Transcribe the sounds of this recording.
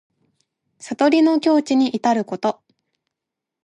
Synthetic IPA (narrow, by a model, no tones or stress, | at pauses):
sat̪o̞ɾʲino̞kʲo̞ːt͡ɕiɲ̟iʔit̪aɾɯ̟ko̞t̪o̞